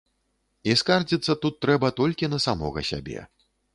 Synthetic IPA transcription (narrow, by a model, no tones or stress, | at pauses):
iskard͡zʲit̪sːɐt̪ut̪ːɾɛbɐt̪ɔlʲkʲinɐsamɔ̰ɣɐ̰sʲa̰bʲɛ̰